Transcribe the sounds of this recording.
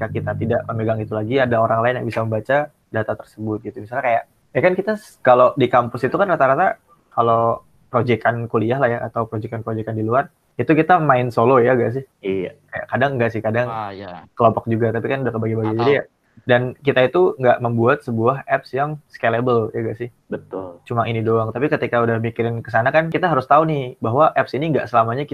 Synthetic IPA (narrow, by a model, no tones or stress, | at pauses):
kakit̪at̪idaʔməmeɡaŋit̪ulaɡiadaoɾaŋlaɪnjaŋbisaməmbat͡ʃa | dat̪at̪ərsəbʊt̪̚ɡit̪umisalɲakajaʔ | jakankit̪as | kalodikampʊsit̪ukanrat̪aɾat̪a | kalo | pɾod͡ʒɛkankuliaɦlahjaʔat̪awpɾod͡ʒɛkanpɾod͡ʒɛkandiluar | it̪ukit̪amaɪnsolojaɡaʔs̬ɪhijakaja̰ʔkadaŋɡaʔsɪhkadaŋjkəlɔmpɔk̚d͡ʒuɡat̪apikanudahkəbaɡibaɡid͡ʒadija | dankit̪ait̪uŋɡaʔməmbuat̪̚səbuaɦɛpsjaŋskelebəljaɡaʔsɪh | bət̪ʊlt͡ʃumaʔinidoaŋt̪apikət̪ikaudahmikiɾɪnkəsanakankit̪aɦaɾʊst̪aunɪhbaɦwaʔɛpsiniŋɡa̰ʔsəlamaɲaki